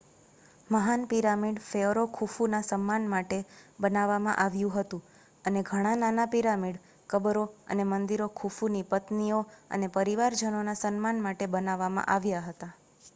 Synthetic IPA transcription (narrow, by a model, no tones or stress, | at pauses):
məɦanpiɾamiɖfeoɾokʰufunasəmːanmaʈebənaʋːamã̰ʔaʋjũɦət̪ũ | əneɡʱəɽ̃ãnanapiɾamiɖ | kəbɾoə̰nemənd̪iɾokʰufunipət̪nioə̰nepəɾiʋaɾd͡ʒənonasənmanmaʈebənaʋːamã̰ʔaʋjaɦət̪a